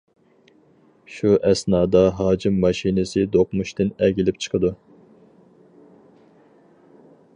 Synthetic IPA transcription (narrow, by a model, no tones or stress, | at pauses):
ʃuʔɛsnɑːd̪ɑɦɑːd͡ʒimːɑʃinɪsɨd̪oqmuʃt̪ɪnɛɡʲilɪpt͡ʃʰə̥qʰəd̪u